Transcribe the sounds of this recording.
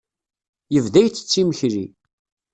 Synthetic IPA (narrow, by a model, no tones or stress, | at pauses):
jəvðæjt͡sːə̥t͡sːiməçɾi